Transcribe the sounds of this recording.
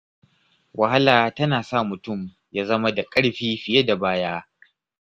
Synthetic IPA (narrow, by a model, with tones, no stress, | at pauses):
wɐ˨ha˦laː˨tɐ˦naː˨sa˦˨mʊ˨tʊ˦˨m | jaː˦zɐ˦ma˦da˨kʼɐ˦ɽɸiː˦ɸɪ˨je˦da˨baː˦jaː˦